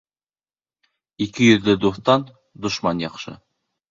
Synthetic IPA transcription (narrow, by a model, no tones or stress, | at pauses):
ikɘjɵ̆ðlɘd̪uθt̪ɑn | d̪ŏʃmɑnjɑqʃɤ̰